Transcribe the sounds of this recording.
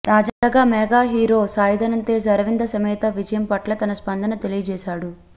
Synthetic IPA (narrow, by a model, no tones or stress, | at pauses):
t̪aːd͡ʒaːɡaːmɛːɡaːɦiːɾo̞ːsaːjɐd̪ʱɐnɐnt̪e̞ːs̬ɐɾɐʋind̪ɐsɐmɛːt̪ɐʋid͡ʒɐjɐmpɐʈlɐt̪ɐnɐspɐnd̪ɐnɐt̪elijɐd͡ʒɛːʃaːɽu